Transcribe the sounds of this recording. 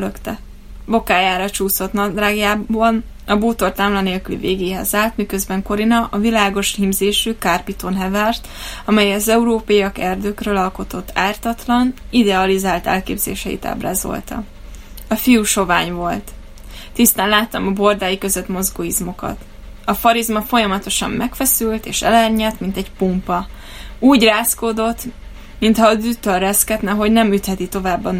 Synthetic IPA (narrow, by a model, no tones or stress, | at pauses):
løkt̪ɛ | bo̞kaːjaːɾɒt͡ʃuːso̞t̪nɒd̪raːɡjaːbɒn | ɒboːt̪o̞rt̪aːmlɒneːlkylḭveːɡeːɦɛzaːlt̪mikø̞zbɛŋko̞ɾinɒʔɒvilaːɡo̞ʃhimzeːʃyːkarpit̪oːnɦɛvɛrt̪ɒmɛjɛɒzɛuɾoːpɒjiɒkɛrd̪øːkrøːlɒlko̞t̪o̞t̪ːaːrt̪ɒt̪lɒn | id̪ɛɒlizaːlt̪ɛ̰lkḛːbzḛːʃɛḭt̪a̰ːbra̰ːzo̞̰lt̪ɒ̰ | ɒfijuʃo̞vaːɲvo̞lt̪ | t̪ist̪aːnlaːt̪ːɒmɒbo̞rd̪aːjikø̞zøt̪mo̞zɡoːizmo̞kɒ̰t̪ | ɒfɒɾizmɒfo̞jɒmɒt̪o̞ʃɒ̰mːɛkfɛsylt̪eːʃɛ̰lɛrɲɛt̪mint̪ɛɟpumpɒ | uːɟraːskoːd̪o̞t̪ː | mint̪hɒːd̪yt̪ːørːɛskɛt̪nɛɦo̞ɟnɛmyt̪hɛt̪it̪o̞vaːbːɒn